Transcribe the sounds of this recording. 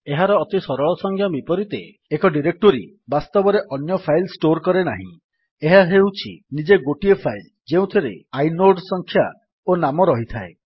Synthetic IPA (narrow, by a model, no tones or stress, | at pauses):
eɦaɾɔːt̪isɔɾɔɭɔsɔŋkʰjabipɔɾit̪e | ekɔɖiɾek̚ʈoɾḭ | bast̪ɔbɔɾeʔɔnjɔpʰajlsʈoɾkɔɾenaɦḭ̃ | eɦaɦewt͡ʃʰḭnid͡ʒeɡoʈiepʰajl | d͡ʒeũt̪ʰiɾḛajnoɖsɔŋkʰja | onamɔɾɔɦit̪ʰae